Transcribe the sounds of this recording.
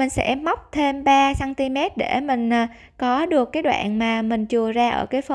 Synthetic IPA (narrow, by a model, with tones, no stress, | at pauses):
mï˨˩ŋ̟sɛ̰ː˧˥a˦˥wk͡p̚t̪ʰe˧mɓaː˧saː˧nt̪i˧mɛ˦˥t̚ɗe˧˩mï˨˩ŋ̟ʔː | kɔ˨˦ɗɨ˨˩əkːaː˨˦jɗwa̰ː˧˨nmaː˨˩mï˨˩ŋ̟t͡ɕu˨˩əzaː˧ʔə̰ː˧˩kaː˨˦jf